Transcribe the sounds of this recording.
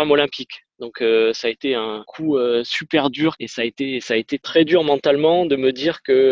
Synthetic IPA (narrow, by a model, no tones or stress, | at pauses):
amɔlɛ̃pikd̪ɔ̃køsaːet̪eɛ̃kʰuøsypɛʁd̪yʁesaet̪esaet̪et̪χɛd̪yʁmɑ̃t̪almɑ̃d̪əməd̪iʁkə